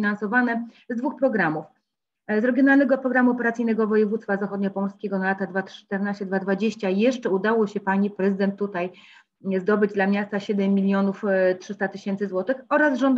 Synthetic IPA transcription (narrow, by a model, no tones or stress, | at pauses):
inansɔvanɛ | zd̪vuxpɾɔɡɾamuf | zɾɛɡʲjɔnalnɛɡɔːpɾɔɡɾamuɔpɛɾat̪sɨjnɛɡɔvɔjɛvut̪st̪fazaxɔd̪̚ɲapɔmɔlskʲeɡɔnalat̪ad̪vat̪ɛɾnaɕt͡ɕɛd̪vad̪vad͡ʑeɕt͡ɕajɛʂt͡ʂɛud̪awɔɕɛpaɲipɾɛzɘd̪ɛnt̪ːut̪aj | zd̪ɔbɘd͡ʑd̪lamʲɲast̪aɕɛd̪ɛmːʲilʲjɔnuftʂɘst̪at̪ɘɕɛnt̪sɘzwɔt̪ɘxɔɾazʐɔnd̪